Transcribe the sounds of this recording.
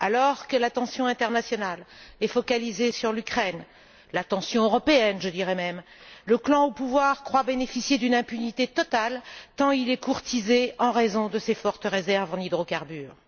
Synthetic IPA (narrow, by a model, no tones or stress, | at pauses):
alɔʁkəlat̪ɑ̃sjɔ̃ɛ̃t̪ɛʁnasjɔnalɛfɔkalizesyʁlykχɛn | lat̪ɑ̃sjɔ̃øʁɔpeɛnʒəd̪iʁɛmɛm | ləklɑ̃opuvwaʁkχwabenefisjed̪ynɛ̃pynit̪et̪ɔt̪alt̪ɑ̃ilɛkuʁt̪izeɑ̃ʁezɔ̃d̪əsefɔʁt̪əʁezɛʁvɑ̃nid̪ʁokaʁbyːʁ